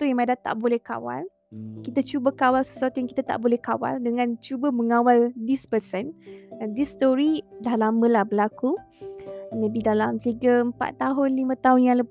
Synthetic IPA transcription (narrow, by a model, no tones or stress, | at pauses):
t̪ujamadat̪a̰ʔbolɛhka̰wa̰l | kit̪ət͡ʃubəkawalsə̥suat̪ujaŋkit̪at̪a̰ʔbolɛhkawa̰ldəŋãnt͡ʃubəməŋawaldispəsɛnadist̪ɔɾidahlamə̃lahbəlaku | mẽbidalamt̪iɡəəmpa̰t̪ːaɦʊnlimə̃t̪aɦʊnjaŋlə